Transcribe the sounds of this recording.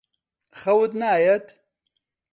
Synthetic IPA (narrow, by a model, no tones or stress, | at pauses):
xɐwut̪naːjɐt̪